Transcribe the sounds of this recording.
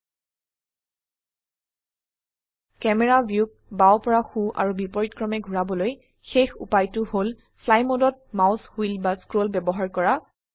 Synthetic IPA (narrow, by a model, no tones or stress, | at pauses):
kɛmɛɹabjuk̚ | bawpɔɹaxuʔa̰ɹubipɔɹitkɹɔmɛɡʱuɹabɔloj | xexṵpajtʊhol | pʰlajmodɔt̚maʊshuilbaskɹolbɛbɔɦaɹkɔɹa